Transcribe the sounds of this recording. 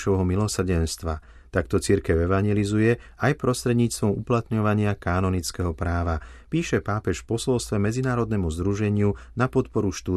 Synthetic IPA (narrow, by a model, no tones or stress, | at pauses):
ɔʋɦɔmilɔsr̩ɟɛnst̪ʋa | t̪akt̪ɔt͡siɾkɛʊɛʋaɲɪɛlizujɛ | ajpɾɔst̪ɾɛd̪ɲiːt͡st̪ʋɔmuplat̪ɲɔʋaɲɪakaːnɔnit͡skɛɦɔpɾaːʋapiːʃɛpaːpɛʃfpɔsɔlst̪ʋɛmɛd͡zinaːɾɔd̪nɛmuzd̪ɾuʒɛɲɪunapɔt̪pɔɾuʃt̪u